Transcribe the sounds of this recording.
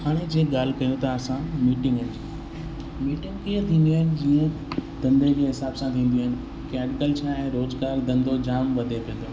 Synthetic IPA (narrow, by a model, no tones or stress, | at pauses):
haːɽ̃ed͡ʑeːɠaːl̤ɪ̆kɐjõt̪ʰaːsãmiːʈɪ̃ŋɡɪn | miːʈɪ̃ŋɡkiɦə̃t̪ʰĩːnd̪iaːɦɪnɪ̆d͡ʑiːə̃d̪̥ɐ̃nd̪ʱekeːɦɪsaːbsãt̪ʰĩːnd̪iaːɦɪnɪ̆ | kɛːɖɪkəlt͡ɕʰaːɛ̃ɾoːzɡaːɾd̪ɐ̃nd̪od͡ʑaːmʋɐd̪ʱepĩə̃nd̪oː